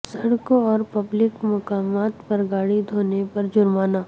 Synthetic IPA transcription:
sɐɽkoɔːɾpɐblɪkmʊkaːmaːt̪pɐɾɡaːɽid̪ʱoːnepɐɾd͡ʒʊɾmaːnaː

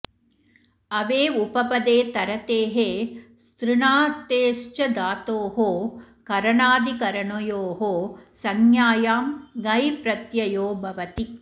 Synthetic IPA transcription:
ɐʋeːupɐpɐd̪eːt̪ɐɾɐt̪eːɦeːst̪ɾɪɳaːt̪eːʃt͡ʃɐd̪aːt̪oːɦoː | kɐɾɐɳaːd̪ikɐɾɐɳojoːɦoːsɐŋjaːjaːmɡɐjpɾɐt̪jɐjoːbʱɐʋɐt̪i

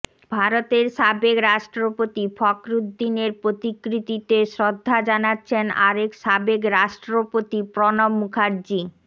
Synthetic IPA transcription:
bʱaɾot̪eɾʃabekɾaʃʈɾopot̪ifʰɔkɾud̪ːineɾpɾot̪ikːɾit̪it̪eʃɾod̪ʱːad͡ʑanatːɕʰena̰ɾekʃabekɾaʃʈɾopot̪ipɾɔnomːukʰaɾd͡ʑi

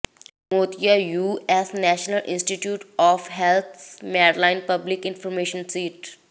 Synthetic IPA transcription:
moːt̪ijajuːɛsnɛːʃnəlʔɪ̰̃nsʈiʈjuːʈɔːfɦɛlt̪ʰmɛːɾlãɪ̃npɐblɪkɪ̃nfɔɾmeːʃə̃nsiːʈ

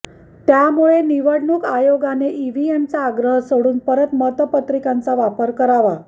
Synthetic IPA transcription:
t̪jamuɭeniʋəɽɳukajoɡaneʔiʋient͡saːɡɾəɦsoɽuːnpəɾət̪mət̪əpət̪ɾikãnt͡saʋapəɾkəɾaʋa

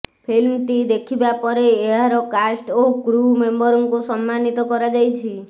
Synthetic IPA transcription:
pʰilmt̪id̪ekʰibapɔɾeːɦaɾɔkasʈokɾumembɔɾɔŋkusɔmːanit̪ɔkɔɾad͡ʒajt͡ʃʰi

